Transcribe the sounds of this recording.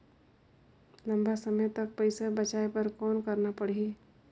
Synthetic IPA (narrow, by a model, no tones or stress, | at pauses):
lɐ̃mbasəməjt̪ɐk̚pəɪsabət͡ʃaːepɐɾkɔːnkɐɾnapɐɽ̤i